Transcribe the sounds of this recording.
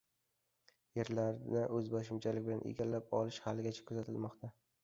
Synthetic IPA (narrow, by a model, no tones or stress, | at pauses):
jeɾlaɾnɪʔɵzbɒʃɪmt͡ʃʰalɪkʲbɪlanʔḛɡʲalːapɒ̰lɪʃhalːɪɡʲat͡ʃʰḁkʰɵzat̪ʰɪlmɒqt̪ʰa